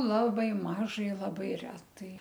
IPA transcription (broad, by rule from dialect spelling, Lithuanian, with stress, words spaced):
ˈlˠɑːbɐɪ ˈmɑːʒɐɪ ˈlˠɑːbɐɪ ˈrʲæːtɐɪ